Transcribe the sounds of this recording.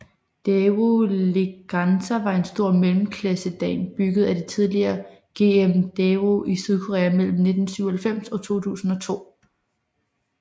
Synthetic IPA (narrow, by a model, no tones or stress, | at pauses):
d̥eoleɡ̥ɑnsʰæʋɑ̈e̝nsd̥o̝ɐ̰melm̩kʰlæsəd̥ɛ̰ːnb̥yɡ̥ð̞̩ˠæd̥et͡sʰið̞ˠliɐːɡ̥e̝ːemd̥eoʔisyð̞ˠkʰo̝ʁɛ̰ːæmel̰m̩ne̝d̥n̩syʊ̰ɐhælfem̰sɒ̽t͡sʰo̝̰ːt͡sʰṵːsn̩ɒ̽t͡sʰo̝̰ː